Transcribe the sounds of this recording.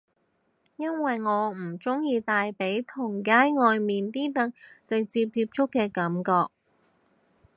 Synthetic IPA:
jɐ˥nwɐ˨jŋɔː˨˧m̩˨˩t͡sʊ˥ŋjiː˧t̪aː˨jpe˨˥jt̪ʰʊ˨˩ŋkaː˥jŋɔː˨˧jmiː˨nt̪iː˥t̪ɐ˨˩ŋ̚t͡sɪ˨k̚t͡siː˧p̚t͡siː˧p̚t͡sʊ˥kːɛː˧kɐ˨˥mkɔː˧k̚

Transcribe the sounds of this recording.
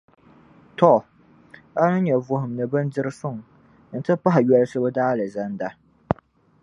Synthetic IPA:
tɔ˦˨ | a˦nɨ˦ɲɛ˨vʊ˨hʊ˨m˨nɨ˨bɨ˦ndɨ˦ɾɨ˦sʊ˦ŋ˨ | n̩˨˦tɨ˦pa˦ɦɪ˨ɥɛ˦lɨ˦sɨ˦bɨ˦daː˦lɨ˨za˦nda˨

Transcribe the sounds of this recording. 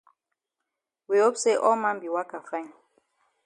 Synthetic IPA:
wi˨o˦pse˦ʔɔ˦mã˦mbi˨wa˦ka˨fa˦i˨n

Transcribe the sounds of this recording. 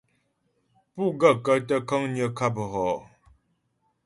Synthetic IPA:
pu˦˨ɡə˦˨kə˦tə˦kə˦ŋɲə˦˨kʰa˦pə˨ɦɔ˨

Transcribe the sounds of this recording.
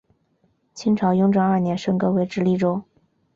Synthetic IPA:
t͡ɕʰi˥ŋʈ͡ʂʰɑ˧˥ʊjʊ˥ŋʈ͡ʂɑ˥ŋa˞˥˩njɛ˧˥nʂɤ˥˩ŋkɤ˧˥we˧˥ɪʈ͡ʂɻ̩˥li˥˩ʈ͡ʂo˥ʊ

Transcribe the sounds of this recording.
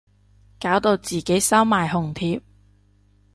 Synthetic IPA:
kaː˨˥wt̪o˧wt͡siː˨˩ke˨˥jsɐ˥wmaː˨jɦʊ˨˩ŋt̪ʰiː˧p̚

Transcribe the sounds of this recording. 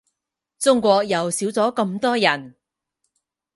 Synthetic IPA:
t͡sʊ˥ŋkʷɔː˧k̚jɐ˨wsiː˨˥wt͡sɔː˨˥kɐ˧mt̪ɔː˥jɐ˨˩n

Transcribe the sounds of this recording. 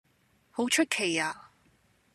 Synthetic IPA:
ho˨˥wt͡ʃʰɵ˥t̚kʰe˨˩jaː˧

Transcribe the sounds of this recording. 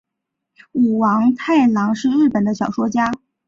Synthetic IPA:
u˨˩wɑ˧˥ŋt̪ʰa˥˩ɪlɑ˧˥ŋʂɻ̩˥˧ɻ̩˥˩pə˨˩nd̪ə˦ɕjɑ˨˩ʊʂwɔ˥t͡ɕja˥

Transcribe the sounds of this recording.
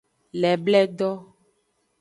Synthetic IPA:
lɛ˨blɛ˦ɖɔ˦

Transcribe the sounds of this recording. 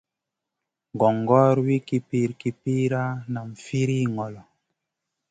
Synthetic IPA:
ɡɔ˨ŋɡɔː˦ɾwi˦ki˦pi˦˨ɾki˨pi˦ɾa˦na˨m˨fi˦ɾi˦ŋɔ˨lɔ˨

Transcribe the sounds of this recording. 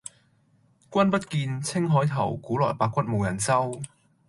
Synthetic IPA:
kʷɐ˥npɐ˥t̚kiː˧nt͡sʰɪ˥ŋɦɔː˨˥jt̪ʰɐ˨˩wkuː˨˥lɔː˨˩jpaː˧kʷɐ˥t̚mo˨˩jɐ˨˩nt͡sɐ˥w

